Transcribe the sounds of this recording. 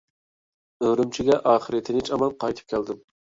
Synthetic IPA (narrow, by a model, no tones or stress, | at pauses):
øɾymt͡ʃʰiɡʲɛʔɑːχəɾɨt̪ʰɪnɪt͡ʃɑmɑnqʰɑjt̪ʰɨ̥p̚kʲʰæld̪ɪm